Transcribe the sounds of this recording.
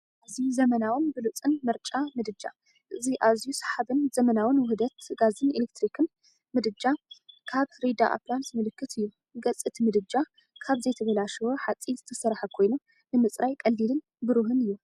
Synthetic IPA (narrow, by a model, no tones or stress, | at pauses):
ʔazijuzɐmɐnawɨnbɨlut͡sʼɨnmɨɾt͡ʃʼamɨd̪ɨd͡ʒa̰ | ʔɨziʔazijusḁħaβɨnzɐmɐnawɨnwʊhd̪ɐt̪ɡazɨnelek̚t̪ɾikʰɨn | mɨd̪ɨd͡ʒakʰaβɾid̪aʔa̰plant̪mɨlɨkːɨt̪ʰɨjːu | ɡɐt͡sʼɨt̪ʰmɨd̪ɨd͡ʒa | kʰaβzɐjt̪ʰɐβɐlaʃɨwoħat͡sʼːizɨt̪ʰɐsɐɾħɐkʰo̞jnu | nɨmɨt͡sʼɾajkʼɐlːilɨn | bɨɾuɦɨnɨjːu